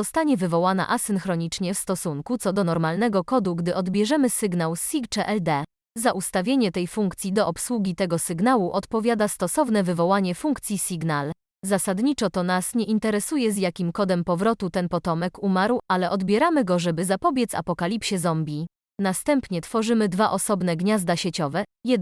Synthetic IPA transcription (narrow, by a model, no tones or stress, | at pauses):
ɔst̪aɲɛvɘvɔwana̰ʔasɘnxɾɔɲit͡ʂɲɛfst̪ɔsuŋkut̪sɔd̪ɔnɔɾmalnɛɡɔkɔd̪uɡd̪ɘʔɔd̪bʲjɛʐɛmɘsɘɡnawsikt͡ʂɛʔɛld̪ɛ | zaʔust̪avʲjeɲɛt̪ɛjfuŋkt̪sʲjid̪ɔʔɔpswuɡʲit̪ɛɡɔsɘɡnawuʔɔt̪pɔvʲjad̪ast̪ɔsɔvn̪ɛvɘvɔwaɲɛfuŋkt̪sʲjisʲiɡnal | zasad̪ɲit͡ʂɔt̪ɔnasɲɛʔint̪ɛɾɛsujɛzjakʲimkɔd̪ɛmpɔvɾɔt̪ut̪ɛnpɔt̪ɔmɛkumaɾwʔalɛʔɔd̪bʲjɛɾamɘɡɔʐɛbɘzapɔbʲjɛt̪sa̰pɔkalʲipɕɛzɔmbʲi | nast̪ɛmpɲɛt̪fɔʐɘmɘd̪vaʔɔsɔbn̪ɛɡɲazd̪aɕet͡ɕɔvɛjɛ